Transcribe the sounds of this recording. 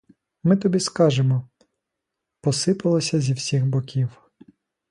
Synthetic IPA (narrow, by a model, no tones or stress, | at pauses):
mɪt̪ɔbʲiskɑʒemɔ | pɔsɪpɐlˠɔsʲɐzʲiwsʲixbɔkʲiw